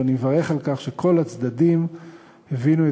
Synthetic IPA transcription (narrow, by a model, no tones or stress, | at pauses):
anievaʁe̞χalkaχʃekʰo̞lat͡sd̪ad̪im | hevinue